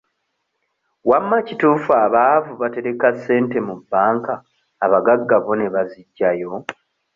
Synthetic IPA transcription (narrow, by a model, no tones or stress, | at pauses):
wamːacituːfaːβavuβate̞ɾe̞kasːe̞ːnte̞mubːaːŋkaː | βaɡaɡːaβo̞ne̞βaziɟːajo̞